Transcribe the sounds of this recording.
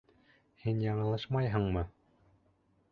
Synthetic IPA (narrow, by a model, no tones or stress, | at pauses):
hinjɑɴɤ̆lˠɤʃmɑjɦɤ̆ɴmɤ